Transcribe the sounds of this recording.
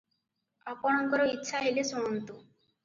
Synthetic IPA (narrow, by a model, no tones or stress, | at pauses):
ɔpɔɽ̃ɔŋkɔɾɔitːʃʰaɦelesoɽɔnt̪u